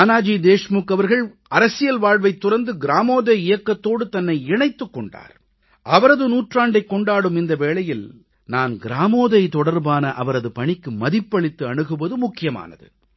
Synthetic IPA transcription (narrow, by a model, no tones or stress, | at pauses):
aːnaːd͡ʒiːd̪eːʂmuːkːɐʋɐɾɣɐɭ | ɐɾɐsɪjɐlʋaːɻʋɐɪt̪ːʊɾɐɾnd̪ɯɡɪɾaːmoːðɐɪjɐkːɐt̪ːoːɽɯt̪ɐnːɐɪɪɳɐɪt̪ːɯkːɔɳɖa̰ːɾ | ʔɐʋɐɾɐðɯnuːʈraːɳɖɐɪkːɔɳɖaːɽɯmɪnd̪ɐʋeːɭɐjɪl | naːnɡɪɾaːmoːðɐɪt̪ɔɽɐɾbaːnɐʔɐʋɐɾɐðɯpɐɳɪkːɯmɐðɪpːɐɭɪt̪ːɯɐɳɯɣɯʋɐðɯmʊkːɪjɐma̰ːnɐ̰ðɯ̰